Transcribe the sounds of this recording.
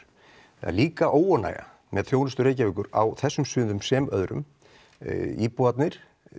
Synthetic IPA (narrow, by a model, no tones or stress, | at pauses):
θa̰ɾliːkaʔoːwɔna̰jɣa̰ | mʔɛðθjownʏst̪ʏɾeːjcavʏːkʏɾa̰wθɛsːʏmsʏːðʏmsɛmœ̰ðɾʏ̰m | ipuat̪nɪɾ̥